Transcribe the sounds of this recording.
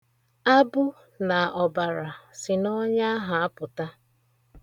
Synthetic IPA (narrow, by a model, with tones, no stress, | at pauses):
a˦bʊ˦ | na˨ɔ˨ba˨ɾa˨sɪ˨nɔ˦ɲa˦ɦa˨a˦pʊ˨ta˦